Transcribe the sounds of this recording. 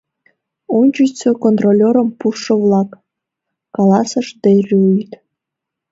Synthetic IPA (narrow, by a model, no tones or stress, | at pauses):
unʲt͡ɕət͡sokont̪rolʲoɾə̆mpuʃə̆vlˠɑkː | ɑlɑsə̆ʃd̪erʲyjt̪